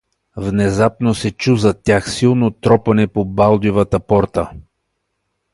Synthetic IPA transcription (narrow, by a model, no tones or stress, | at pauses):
vnɛzapnosɛt͡ʃuzɐt̪ʲjaxsilˠnot̪ɾɔpɐnɛpobalˠd̪ivət̪əpɔɾt̪ə